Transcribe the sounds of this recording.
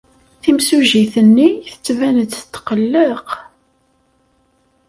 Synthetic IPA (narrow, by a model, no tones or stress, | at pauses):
θimsuʒiθənːiθə̥t͡sːvænət͡sːt̪ːqəlːeq